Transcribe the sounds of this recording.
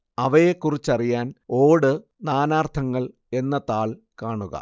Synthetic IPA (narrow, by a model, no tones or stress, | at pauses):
ɐʋɐjekːurit͡ɕːɐrijaːno̞ːɽɨ | naːnaːrt̪ʰɐŋːɐɭ | e̞nːɐt̪aːɭkaːɳuɣɐ̰